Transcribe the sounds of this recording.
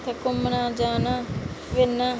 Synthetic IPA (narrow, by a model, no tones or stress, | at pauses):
t̪ʰɐkʊmːənaːd͡ʒaːnaːʋɪnːaː